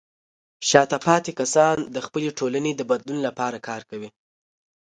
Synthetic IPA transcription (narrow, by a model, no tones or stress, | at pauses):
ʃɑt̪apɑt̪ekasɑnd̪əxpəleʈʰolaned̪əbad̪lunlapɑɾakɑɾkawi